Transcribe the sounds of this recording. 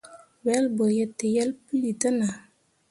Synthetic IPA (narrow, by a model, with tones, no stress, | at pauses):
wɛ˦lbo˨je˨tːe˨jɛ˦lpi˦li˨tə˦na˨